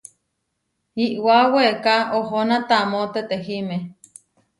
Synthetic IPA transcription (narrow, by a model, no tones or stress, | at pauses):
iʔwawekaoɦonat̪amot̪et̪eɦime